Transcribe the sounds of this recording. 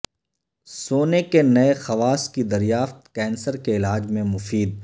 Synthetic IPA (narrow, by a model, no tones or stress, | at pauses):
soːnekenɐexɐʋaːskid̪ɐɾijaːft̪kɛːnsəɾkeɪlaːd͡ʒmẽmʊfiːd̪̚